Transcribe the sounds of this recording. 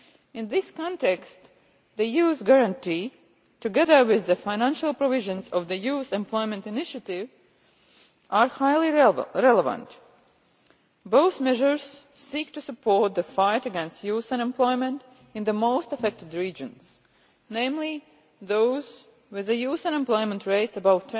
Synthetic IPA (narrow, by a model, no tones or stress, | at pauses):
ɪ̃nðɪskɔ̃ntɛkst̪ | ðəjuːzɡaɹãnti | tɨɡɛðə˞wɪðːəfaɪnæ̃nʃalˠpɾɔvɪʒə̃nzɔvðəjuːzɛ̃mplˠɔɪmɛ̃ntɨnɪʃɨt̪ɪv | ʔaɹhaɪlˠiɹɛləvə̰̃nt | boʊθmɛʒəɹz̥siːk̚tusɨpʰoɹt̪̚ðəfaɪtəɡɛ̃nst̪juːzãnɛ̃mplɔɪmɛ̃nt | ɪ̃nðəmoʊst̪əfɛk̚tɨd̪ɹiːd͡ʒə̃ns | nẽɪ̃mli | ðoʊz̥ | wɪðəjuːzãnɛ̃mplɔɪmɛ̃ntɹeɪtsəbaʊt̪ʰ